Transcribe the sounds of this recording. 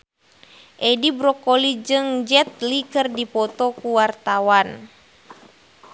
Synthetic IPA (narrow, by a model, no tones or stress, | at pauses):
ʔɛdibɾɔkɔlid͡ʒɨŋd͡ʒɛt̪̚likərdipɔt̪ɔkuwart̪awan